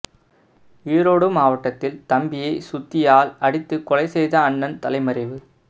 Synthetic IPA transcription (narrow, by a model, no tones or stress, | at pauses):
iːɾoːɽɯmaːʋɐʈːɐt̪ːɪlt̪ɐmbɪjɐɪsʊt̪ːɪjaːlɐɽɪt̪ːɯkɔlɐɪsɛjðɐːɳːɐnt̪ɐlɐɪmɐɾɐɪʋɯ